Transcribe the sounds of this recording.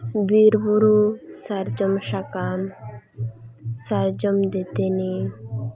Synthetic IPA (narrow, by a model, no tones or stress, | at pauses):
biɾbuɾusaɾd͡ʒɔmʃakam | saɾd͡ʒɔmd̪et̪eni